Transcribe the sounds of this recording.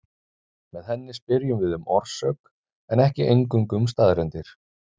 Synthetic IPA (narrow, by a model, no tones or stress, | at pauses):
mɛðhɛnːɪspɪɾjʏmvɪðʏmɔɾr̥sœk | ɛnɛhcɪʔejŋkʏmkʏmst̪aːðɾɛnt̪ɪɾ̥